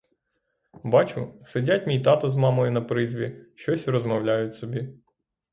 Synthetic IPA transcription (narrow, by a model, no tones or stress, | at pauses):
bɑt͡ʃʊsɪdʲatʲmʲijt̪ɑt̪ɔzmɑmɔjʊnɐpɾɪzʲʋʲiʃt͡ʃɔsʲrɔzmɔwlʲajʊtʲsɔbʲi